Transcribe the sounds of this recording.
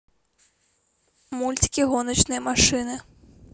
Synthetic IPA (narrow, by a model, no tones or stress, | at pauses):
mulʲt͡sʲi̥kʲiɣɔnɐt͡ʃnɨjɐmaʂɨnɨ